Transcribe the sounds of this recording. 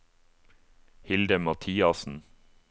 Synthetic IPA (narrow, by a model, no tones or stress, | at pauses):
hɪld̪əmɑt̪ʰiːɑsn̩